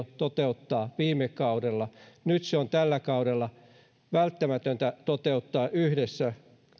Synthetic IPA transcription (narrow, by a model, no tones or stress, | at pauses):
t̪ot̪eut̪ːɑːʋiːmekkɑudelːɑnyt̪seont̪ælːækɑuɾelːɑ | ʋælt̪ːæmæt̪ønt̪æt̪ot̪eut̪ːɑːʔyhdesːæ